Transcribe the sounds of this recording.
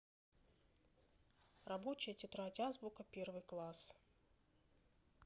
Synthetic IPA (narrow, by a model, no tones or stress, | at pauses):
rɐbot͡ɕɪjətʲɪt̪ɾatʲazbʊkəpʲe̞rvɨjklˠas